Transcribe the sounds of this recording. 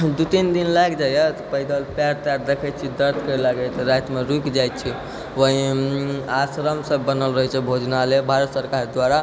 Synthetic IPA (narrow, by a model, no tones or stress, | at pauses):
d̪ut̪ind̪inlaɡd͡ʒajət̪pəɦid̪əlpaɾt̪jaɾd̪ekʰɛt̪̚t͡ʃʰid̪əɾt̪ʰkəɾelaɡət̪ɾajt̪meɾukd͡ʒajt̪̚t͡ʃʰi | ʋəɦi | asɾəmsəbːənəlɾəɦɛt͡ʃʰɛbʱod͡ʒnalebʱaɾət̪səɾkaɾd̪waɾa